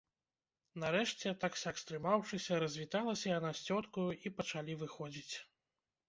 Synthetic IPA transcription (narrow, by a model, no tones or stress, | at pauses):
nɐɾɛʂt͡sʲɛt̪aksʲakst̪ɾɨmawʂɨsʲɐɾɐzʲvʲit̪alˠɐsʲɐjɐnasʲt͡sʲɔt̪kujuʔipɐt͡ʂalʲivɨxɔd͡zʲit͡sʲ